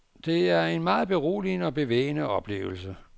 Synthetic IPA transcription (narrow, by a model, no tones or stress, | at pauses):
d̥e̝æɐe̝nmɑ̈ːð̩ˠb̥e̝ʁo̰ːlinɒ̽b̥e̝ʋḛːnəɒ̽b̥le̝̰ːʊl̩sə